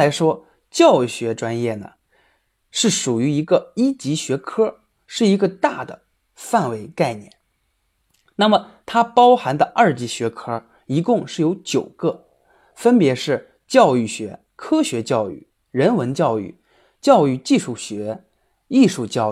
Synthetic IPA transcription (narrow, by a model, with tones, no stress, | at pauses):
la˧˥ɪʂwɔ˥ | t͡ɕjɑ˥˩ʊɕɥɛ˧˥ʈ͡ʂwa˥njɛ˥˩nə̰˩ | ʂɻ̩˥˩ʂu˨˩y˧˥i˧˥ɡə˧i˥t͡ɕi˧˥ɕɥɛ˧˥kʰɤ˥ | ʂɻ̩˥˩i˧˥ɡə˧t̪a˥˩d̪ə̰˩ | fa˥˩nwe˧˥ɪka˥˩ɪnjɛ̰˥˩n | na˥˩mə˩t̪ʰa˥pɑ˥ʊxa˧˥nd̪ə˧ʔɐ˥˩t͡ɕi˧˥ɕɥɛ˧˥kʰɤ˥ | i˧˥kʊ˥˧ŋʂɻ̩˥˩jo˧˥ʊt͡ɕjo˨˩ʊkə˥˧ | fə˥npjɛ˧˥ʂɻ̩˥˩ | t͡ɕjɑ˥˧ʊy˥˩ɕɥɛ̰˧˥ | kʰɤ˥ɕɥɛ˧˥t͡ɕjɑ˥˧ʊy̰˥˩ | ɻə˧˥nwə˧˥nt͡ɕjɑ˥˧ʊy̰˥˩ | t͡ɕjɑ˥˧ʊy˥˧t͡ɕi˥˧ʂu˥˩ɕɥɛ˧˥ | i˥˧ʂu˥˧t͡ɕjɑ˥˧ʊ